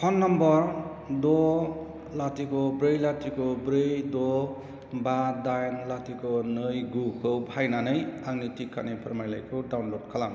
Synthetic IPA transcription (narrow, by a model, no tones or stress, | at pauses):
pʰʌnːʌmbʌɾ | d̪o | lat̪ikobɾejlat̪ikobɾejd̪o | bad̪ajnlat̪ikonʌjɡukowbʱajnanʌjaŋnit̪ikːanipɾʌmajla̰jkoɖawnloɖkʰʌlam